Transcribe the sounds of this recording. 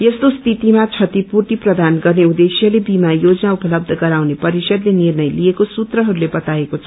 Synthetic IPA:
jʌst̪ost̪ʰit̪imat͡sʰʌt̪ipurʈ̪iprʌd̪anɡʌrneud̪esijʌlebimajod͡zʌnaupʌlʌb̚d̪ʱʌɡʌɾawnepʌɾisʌd̪lenirnʌjlijekosut̪rʌɦʌɾulebʌt̪aekot͡sʰʌ

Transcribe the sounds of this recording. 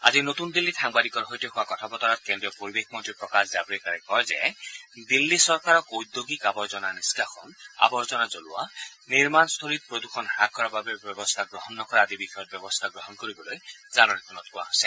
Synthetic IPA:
a̰zinot̪und̪ilːitʰaŋbadikɔɾɦojtiɔxakɔt̪ʰabɔt̪ɔɾat̪̚kendɹiɔpoɹibekʰmɔnt̪ipɹɔkaszabɔɹekaɹɛkɔjzɛ̰d̪ilːisɔɹkaɹɔkojd̪joɡikabɔɹzɔnaniskaxʰɔna̰bɔɹzɔnazoluwa̰niɹmanst̪ʰoɾit̪̚pɹod̪uxʰɔnhak̚ːɔɹababebjɔbɔst̪ʰaɡɹɔɦɔnːɔkɔɹaːd̪ibixɔjɔt̚bjɔbɔst̪ʰaɡɹɔɦɔnkoɾibɔlojzanɔnɛkʰɔnɔt̚kua̰ɦosɛ

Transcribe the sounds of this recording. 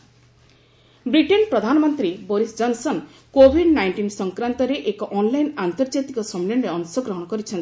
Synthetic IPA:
bɾiʈenpɾɔd̪ʱanɔmɔnt̪ɾiboɾisd͡ʒɔnsɔn | kobʱiɖnajɳʈinsɔŋkɾant̪ɔɾeʔekɔʔɔnlajnant̪ɔɾd͡ʒat̪ikɔsɔmlenɾeɔnsɔɡɾɔɦɔɽ̃ɔkɔɾit͡ʃʰɔnt̪i

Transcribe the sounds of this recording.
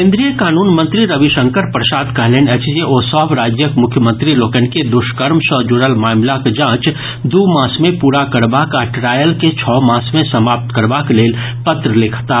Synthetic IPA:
kẽːnd̪ɾijəkaːnuːnmə̃nt̪ɾiɾəʋiʃə̃ŋkəɾpɾəsaːd̪kəɦleːnɛt͡ʃd͡ʒeʔoːsɔbɾaːd͡ʒjəkmʊkʰjəmə̃nt̪ɾiloːkənked̪ʊʃkəɾmsɔːd͡ʒuɾəlmaːmlakd͡ʒãːt͡ʃ | d̪uːmãːsmẽpuːɾakəɾbaːkaʈɾaːjəlket͡ʃʰɔːmãːsmẽsəmaːp̚t̪kəɾbakleːl | pət̪ɾəlɪkʰt̪a

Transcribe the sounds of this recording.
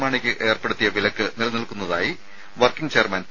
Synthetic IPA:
maːɳikʲːɨʔe̞ːrpe̞ɽut̪ːijɐʋilɐkːɨnilnilkunːɐðaːji | ʋɐrkiŋɡt͡ɕe̞ːrmɐn

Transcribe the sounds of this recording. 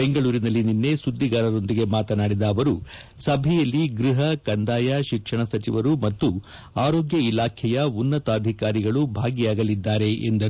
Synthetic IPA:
eŋɡɐɭuːɾinɐlːininːe̞sud̪ːiɡaːɾɐɾo̞nd̪iɡe̞maːt̪ɐnaːɽid̪ɐːʋɐɾu | sɐbʱɛjɐlːiɡɾiɦɐkɐnd̪aːjaʃikʂɐɳɐsɐt͡ʃiʋɐɾumɐt̪ːu | aːɾoːɡjɐilaːkʰɛjɐunːɐt̪aːd̪ʱikaːɾiɡɐɭubʱaːɡijaːɡɐlid̪ːaːɾe̞ʔḛnd̪ɐ

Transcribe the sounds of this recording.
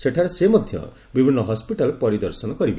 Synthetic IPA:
seʈʰaɾɔsemɔd̪ʱjɔ̰ | bibʱinːɔɦɔspiʈalepɔɾid̪ɔɾsɔnɔkɔɾibi

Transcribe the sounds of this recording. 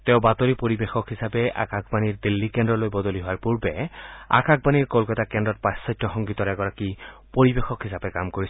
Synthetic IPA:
t̪eʊbat̪ɔɹipoɹibexɔkɦisapɛʔa̰kakʰbaniɹd̪ilːikendɹɔlojbɔd̪oliɦoaɹpuɹbɛa̰kak̚ʰbaniɹkolkɔtakɛndɔt̚pasːɔjtːɔxɔŋɡit̪ɔɹɛɡɔɹakipoɹibexɔkɦisapɛkamkoɹis

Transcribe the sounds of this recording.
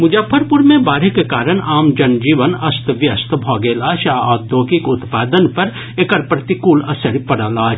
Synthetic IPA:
mʊd͡ʒəpʰəɾpʊɾmẽbaːɾɪkːekaːɾəɳ̃aːmd͡ʒɐnd͡ʒiːʋənɐst̪ʋjɐst̪bʱɔːɡeːlaːʃaːɔːd̪oːkikʊt̪paːd̪ənpɐɾ | ekɐɾpɾɐt̪ikuːlɐsɐɾpɐɽaːlaː

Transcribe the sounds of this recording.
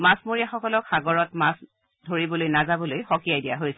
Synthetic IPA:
masmoɹijaxɔkɔlɔkxaɡɔɹɔtmas | dʱoɹibɔlojnazabɔlojxɔkiajdijaɦojsɛ

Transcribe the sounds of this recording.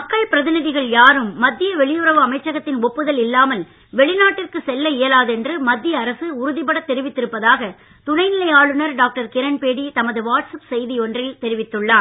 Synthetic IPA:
mɐkːɐɭpɪɾɐðɪnɪðɪɣɐɭjaːɾɯmːɐd̪ːɪjɐʋɛɭɪjɯɾɐʋɯɐmɐɪt͡ʃːɐɣɐt̪ːɪnɔpːɯðɐlɪlːaːmɐl | ʋɛɭɪnaːʈːɪrkɯsɛlːɐɪjɐlaːðɛndrɯmɐd̪ːɪjɐːɾɐsɯʊɾʊðɪpɐɽɐt̪ːɛɾɪʋɪt̪ːɪɾɯpːɐðaːɣɐ | t̪ʊnɐɪnɪlɐjaːɭɯnɐɾɖaːk̚ʈɐɾkɪɾɐnpeːɽit̪ɐmɐðɯʋaːʈsɐpsɛjðiɔndrɪlt̪ɛɾɪʋɪt̪ːɯɭːaː

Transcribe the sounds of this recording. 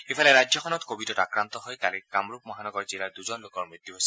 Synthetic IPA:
epʰɔleɾad͡ʒjɔkʰɔnɔt̪kobidɔtakɾant̪ɔɦɔjt̪alekamɾupmɔɦanɔɡɔɹd͡ʒilad̪uzɔnlokɔɹmɹit̪juɦojsi̥

